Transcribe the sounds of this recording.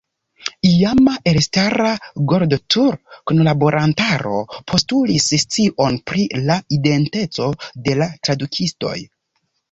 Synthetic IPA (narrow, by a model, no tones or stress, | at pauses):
iamaʔelstaɾaɡo̞ɾdotʰuɾkunlabo̞ɾʔantaɾo̞̰pʰo̞stulisst͡siʔo̞npɾilaide̞nte̞t͡so̞de̞latɾadukʰisto̞̰j